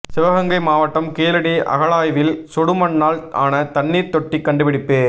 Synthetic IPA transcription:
sɪʋɐɣɐŋɡɐɪmaːʋɐʈːɐmkeːlɐɽiʔɐ̰ɣɐɭaːjʋɪlsɔɽɯmɐɳːaːla̰ːnɐt̪ɐɳːiːɾt̪ɔʈːikːɐɳɖɯʋɪɽɪpːeː

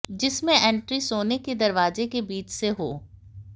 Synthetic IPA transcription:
d͡ʒɪsmẽʔɛ̃ːɳʈɾisoːneked̪ɐɾʋaːzekebiːt͡ʃseɦoː

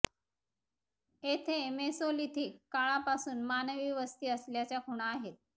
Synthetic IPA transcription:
et̪ʰemesolit̪ʰiːkkːaɭapasuːnmanəʋiːʋəst̪iːəsljat͡ɕjakʰuɽ̃aːɦet̪̚

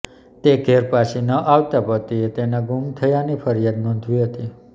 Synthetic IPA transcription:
t̪eɡʱeɾpasinəʔaʋt̪apət̪iet̪enãɡumt̪ʰəjanifʰəɾijad̪nõnd̪ʱʋiɦət̪i

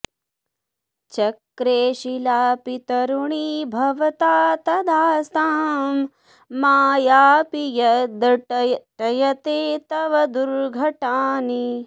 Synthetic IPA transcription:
t͡ʃɐkɾeːʃilaːpit̪ɐɾuɳibʱɐʋɐt̪aːt̪ɐd̪ʱaːsaːmː | aːjaːpijɐd̪ɐʈɐjɐt̪eːt̪ɐʋɐd̪uɾɡʱɐʈaːni

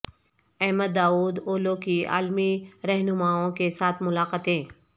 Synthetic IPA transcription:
ɛɦməd̪ːaːuːd̪oːlõkia̰ːlmiɾɛɦnʊmaːõkesaːt̪ʰmʊlaːqət̪ẽː

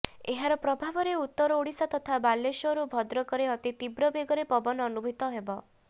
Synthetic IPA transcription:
eɦaɾɔpɾɔbʱabɔɾeut̪ːɔɾɔoɽisat̪ɔt̪ʰabalːeʃɔɾubʱɔd̪ɾɔkɔɾeɔt̪it̪ibɾɔbeɡɔɾepɔbɔnɔnubʱit̪ɔɦebɔ

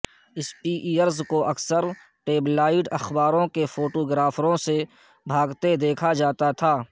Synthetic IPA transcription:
ɪspiːʔiːjəɾzkoʔɐksəɾ | ʈeːblaːɪɖɐxbaːɾõkefoːʈoːɡɾaːfʰɾõse | bʱaːɡt̪ed̪eːkʰad͡ʒaːt̪at̪ʰaː

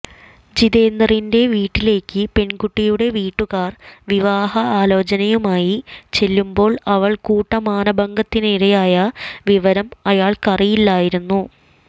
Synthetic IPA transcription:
d͡ʑiðeːnd̪ɐrinde̞ʋiːʈːile̞ːkːɨpe̞ɳɡuʈːijuɽe̞ʋiːʈːuɣaːrʋiʋaːɦɐaːlo̞ːt͡ɕɐnɐjumaːjit͡ɕe̞lːumbo̞ːɭɐʋɐɭkuːʈːɐmaːnɐbɐŋɡɐt̪ːiniɾɐjaːjɐʋiʋɐɾɐmɐjaːɭkɐrijilːaːjiɾunːu

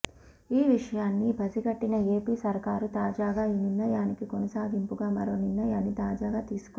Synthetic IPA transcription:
iːʋiʂɐjaːnːibʱɐsiɡɐʈːinɐe̞ːpiːsɐɾkaːɾut̪aːd͡ʒaːɡaːinunːɐjaːnikikonɐsaːd̪ʱimpuɡaːmɐɾo̞ːninːɐjaːnːit̪aːd͡ʒaːɡaːt̪iːsu̥kː

